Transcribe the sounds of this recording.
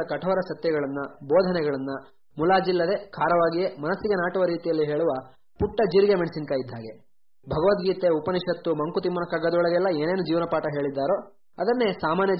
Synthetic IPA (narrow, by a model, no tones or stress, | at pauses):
ɐkɐʈʰɔʋːɐɾɐsɐt̪jɐɣɐɭɐnːɐbɔːd̪ʱɐnɛɡɐɭɐnːɐ | mulaːd͡ʒilːɐd̪e̞kʰaːɾɐʋaːɡijemɐnɐsːiɡenaːʈɐʋɐɾiːt̪ijɐlːiɦe̞ːɭuʋɐ | puʈːɐd͡ʒiɾɡemeɳsinkaːjid̪ʱːaːɡe̞ | bʱɐɡɐʋɐt̪ɡiːt̪eupɐniʃɐt̪ːumɐŋkut̪imːɐnɐkaɡːɐd̪ɔɭɐɡɛlːɐe̞ːne̞ːnud͡ʒiːʋɐnɐpaːʈɐɦe̞ːɭid̪ːaːɾo̞ː | ɐd̪ɐnːe̞saːmaːnjɐ